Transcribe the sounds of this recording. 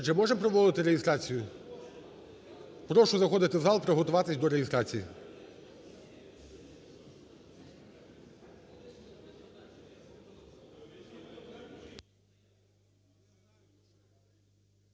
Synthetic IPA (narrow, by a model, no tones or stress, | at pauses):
d͡ʒɛmɔʒempɾɔʋɔlˠɪt̪ɪɾejɪst̪ɾɑt͡sʲijʊ | pɾɔʃʊzɐxɔd̪ɪt̪ɪwzɑlˠpɾɔɦɔt̪ʊʋɑt̪ɪsʲd̪ɔɾejɪst̪ɾɑt͡sʲijḭ